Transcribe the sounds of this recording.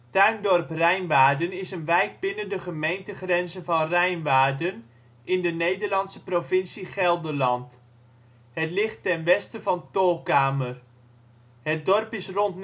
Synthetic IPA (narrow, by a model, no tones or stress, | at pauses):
tœɥndɔrprɛjnʋaːdənɪsənʋɛjt̚bɪnəndəχəmejntəχrɛnzənvɑnrɛjnʋaːrdən | ɪndənejdərlɑnsəprovɪnsiχɛlˠdəlɑnt | hətlɪχtːɛnʋɛstəvɑntoːkaːmər | hət̚dɔrpɪsrɔntn